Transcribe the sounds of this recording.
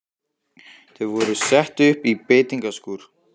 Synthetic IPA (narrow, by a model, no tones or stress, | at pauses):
θɪðvɔɾʏsɛht̪ʏhpipeːt̪iŋkaskuːɾ̥